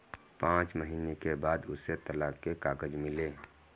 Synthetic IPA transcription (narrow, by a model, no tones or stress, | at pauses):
pãːt͡ʃməɦiːnekebaːd̪ʊset̪əlakkːekaːɡəd͡ʒmɪleː